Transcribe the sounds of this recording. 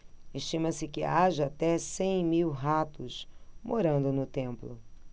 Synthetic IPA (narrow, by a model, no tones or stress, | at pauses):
eʃt͡ʃĩmɐsɪkɪaʒɐat̪ɛsẽj̃miwɦat̪ʊsmoɾɐ̃nd̪ʊnʊt̪ẽmplʊ